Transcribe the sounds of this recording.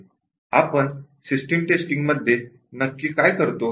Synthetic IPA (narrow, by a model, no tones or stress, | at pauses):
a̰pəɳsisʈemʈesʈiŋɡməd̪ʱːje | nəkːiːkajkəɾt̪o